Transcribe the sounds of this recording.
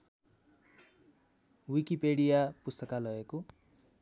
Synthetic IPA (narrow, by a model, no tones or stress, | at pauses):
wikipeɽijapust̪ʌkalʌeko